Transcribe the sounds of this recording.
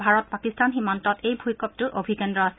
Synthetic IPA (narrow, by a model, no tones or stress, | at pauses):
bʱaɹɔt̚pakistanɦimɔntɔtejbʱujkɔp̚tʊʔobʱikɛndɹɔas